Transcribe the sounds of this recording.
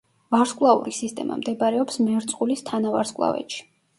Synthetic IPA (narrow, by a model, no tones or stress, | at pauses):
vaɾskʼlˠaṵɾisist̪ʼɛma̰md̪ɛbaɾɛɔpsmɛɾt̪sʼqʼulist̪ʰanavaɾskʼlˠa̰vɛ̰t̪ʃi̥